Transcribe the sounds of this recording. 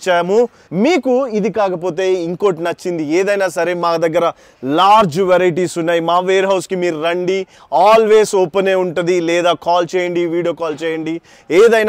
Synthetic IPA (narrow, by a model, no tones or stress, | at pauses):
t͡ʃːaːmu | miːkuid̪ikaːkɐpo̞ːt̪̬e̞ːiŋkoːʈnɐt͡ʃːind̪ieːd̪ɐjnaːsɐɾe̞ːmaːd̪ɐɡːɐɾɐ | laːɾd͡ʒʋeɾɐjʈiːsunːaːjimaːʋeːɾɦɐwskimiːɾuɾɐɳɖi | aːlʋe̞ːsɔpːɐneːuɳʈund̪ilɛːd̪aːkaːlt͡ʃɛːjɐɳɖiʋiːɽijoːkaːlt͡ʃɛːjɐɳɖi | eːd̪ɐjnː